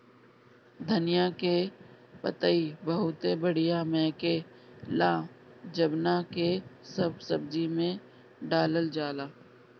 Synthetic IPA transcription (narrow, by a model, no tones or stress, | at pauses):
d̪ʱɐnɪjake | pə̰t̪əibɐɦʊt̪ebəɽ̤ɪjamɛ̃ːke | lãːd͡ʒəbnakesɐbsɐbd͡ʒimẽ | ɖaːləld͡ʒaːlaː